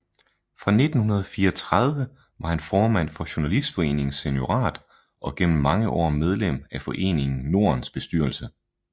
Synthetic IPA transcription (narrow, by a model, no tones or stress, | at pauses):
fʁɑ̈ne̝d̥n̩hunɐð̞̩ˠɒfiːɐɒt͡sʰʁɑð̞ˠʋə | ʋɑ̈hænfɒːmæn̰fɒ̽ɕo̝nælisd̥fɒ̽e̝̰ːne̝ŋse̝njo̝ʁɑ̰̈ːd̥ | ɒ̽ɡ̥en̰m̩ːɑ̈ŋəʔɒ̰ːmeð̞ˠlem̰æfɒ̽ʔe̝̰ːne̝ŋn̩no̝ːɐ̰nsb̥e̝sd̥yɐlsə